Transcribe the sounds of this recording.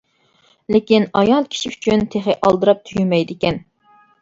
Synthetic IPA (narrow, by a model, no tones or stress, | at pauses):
lɪkʲinɑjɑlˠkʲʰi̥ʃiyt͡ʃʰynt̪ʰeχeʔɑlˠd̪ɨɾɑp̚t̪ʰyjymɛjd̪ɪkʲɛn